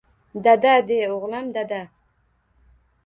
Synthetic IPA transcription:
d̪ad̪ad̪ejoʁlˠamd̪ad̪a

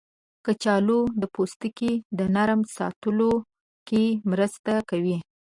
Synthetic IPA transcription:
kət͡ʃɑlod̪əpost̪əkid̪ənaɾmsɑ̰t̪əlo | kemɾəst̪akawi

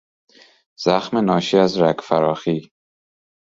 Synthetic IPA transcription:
z̥æxmenɒːʃiæzɾækfæɾɒːxiː

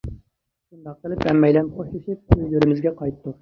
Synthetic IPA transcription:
ʃund̪ɑq̚ːəlˠɪpːɛmːɛjlɛnqʰoʃliʃip̚øjlyɾɪmɪzɡʲɛqʰɑjt̪ːu

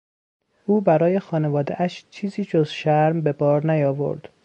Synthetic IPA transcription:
ʔuːbæɾɒːje̞xɒːne̞vɒːd̪ḛʔæʃt͡ʃʰiːziːd͡ʒozʃæɾmbe̞bɒːɾnæjɒːvo̞̰ɾd̪̥

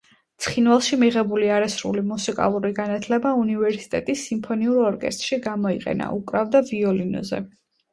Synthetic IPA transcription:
t̪sʰχinvalˠʃimiʁɛbuliaɾasɾṵlimusikʼa̰lˠuɾiɡanat̪ʰlɛbaunivɛɾsi̥t̪ʼɛt̪ʼisːimpʰɔniuɾɔɾkʼɛ̰st̪ʼɾʃiɡamɔiqʼɛ̰na̰ʔukʼɾavd̪aviɔlinɔ̰zɛ̰

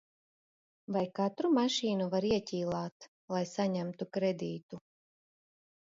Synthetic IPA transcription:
vajkat̪ɾumaʃiːnuvaɾiɛcʲiːlˠaːt̪ | lˠajsaɲæmt̪ukɾed̪iːt̪u

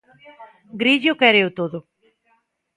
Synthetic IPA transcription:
ɡɾiʎʊkɛɾeot̪oðʊ

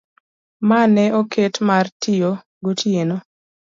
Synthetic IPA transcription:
manɛokʰetmartijo | ɡotʰieno

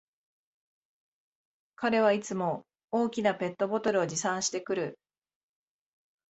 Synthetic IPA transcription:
kaɾe̞β̞ait͡sɨmo̞ | oːkʲinape̞t̪ːo̞bo̞t̪o̞ɾɯ̟o̞d͡ʑisãɰ̃ɕi̥t̪e̞kɯ̟ɾɯ̟

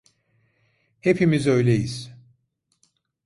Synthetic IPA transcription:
he̞pʰimizø̞jlʲejiz̥

